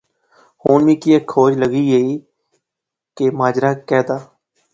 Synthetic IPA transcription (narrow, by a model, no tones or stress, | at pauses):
hoːnʋĩːkɪɛːkʰoːd͡ʒləɡiːeiː | kemaːd͡ʒɾaːkɛːd̪aː